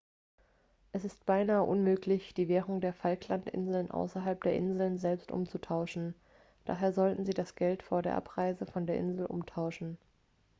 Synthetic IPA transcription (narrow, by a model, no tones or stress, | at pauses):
ʔɛsɪst̚b̥aɪnaːəʔʊnmøːklɪçd̥iːveːʁʊŋdeːɐfalkʰlantʔɪ̰nzl̩nʔa̰ʊsɐɦalp̚d̥eːɐʔɪnzl̩nzɛlpstʔʊ̰mt͡sutʰaʊʃn̩ | d̥a̰ːɦeːɐzɔltn̩ziːdasɡ̥ɛltfoːɐdeːɐʔa̰pʁ̥aɪzəfɔndeːɐʔɪ̰nzl̩ʔʊ̰mtʰaʊʃn̩